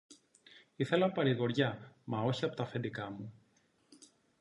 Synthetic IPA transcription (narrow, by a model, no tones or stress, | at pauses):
iθe̞lɐpɐɾiɣo̞ɾʝɐmɐo̞çiɐpo̞t̪ɐfe̞nd̪ikɐmu